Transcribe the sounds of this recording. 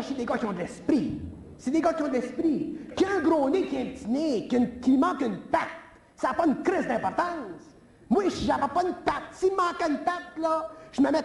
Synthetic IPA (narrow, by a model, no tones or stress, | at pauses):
sed̪eɡɔkʲjɔ̃d̪əlɛspɾi | sed̪eɡʌkʲiɔ̃d̪lɛspʁikɛ̃ɡʁõnekʲiɛ̃pt̪ineknkʲimɑ̃kɨnpat̪̚ | saːpɔɨnkɾɪzd̪ɛ̃pɔʁt̪ɑ̃s | mwaʃiʒapɛpɔɨnpat̪̚simɑ̃kanpat̪lʌʒ̥əməmɛt̪